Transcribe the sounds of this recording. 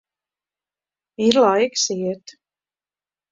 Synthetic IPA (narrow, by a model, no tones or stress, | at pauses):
iɾlˠajksiɛt̪